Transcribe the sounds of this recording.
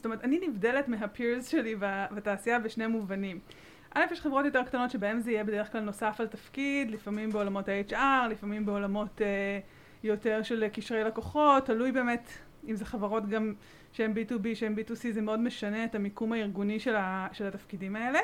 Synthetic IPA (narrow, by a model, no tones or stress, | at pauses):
sotomet̪aninivdele̞tmeɦapʰiʁzʃe̞livavataːsiaveʃne̞muvanim | ʔale̞fjeʃχevʁo̞tjo̞t̬e̞kt̪ano̞tʃebaemzeijebed̪eeχklalno̞safaltafkidlifamimbeo̞lamo̞thaejt͡ʃaʁlifamimbeolamo̞te | jo̞te̞ʁʃe̞lkiʃʁejlakoχo̞tːalujbe̞ːmet | imzeχavaʁo̞tɡam | ʃeembitubiʃeembitusizemeo̞dmeʃane̞eːtamikumaiʁɡuniʃelaʃelatafkidimae̞le